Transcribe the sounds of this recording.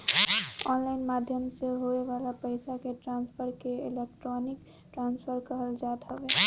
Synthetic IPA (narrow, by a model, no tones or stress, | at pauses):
ɔnlaɪnmad̪ʱjəmseɦoebalapəjsakeʈɾanspʰəɾkeelekʈɾonik | ʈɾanspʰəɾkəɦəld͡ʒat̪ɦəbe